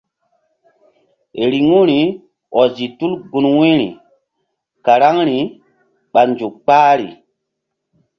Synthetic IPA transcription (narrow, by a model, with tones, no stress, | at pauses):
e˨ɾi˨ŋu˦ɾi˨ | ɔ˨zi˨tu˦lɡu˨nwi˦ɾḭ˨ | ka˨ɾa˦ŋɾi˨ | ɓa˨nd͡ʒu˨kk͡paː˦ɾḭ˨